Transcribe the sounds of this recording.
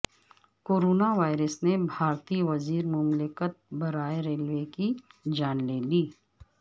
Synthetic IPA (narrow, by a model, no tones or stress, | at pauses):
koːɾoːnaʋaːɪɾəsnebʱaːɾt̪iʋɐziːɾmʊmlɪkət̪̚bɐɾaːeɾeːlʋekid͡ʒaːnleːliː